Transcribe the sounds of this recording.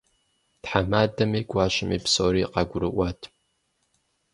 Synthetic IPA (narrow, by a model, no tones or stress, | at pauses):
tħamaːdɐmiːɡʷʼɑːʃɪmiːpsoːɾiːqɑɡʷʊɾɨʔʷɑtʰ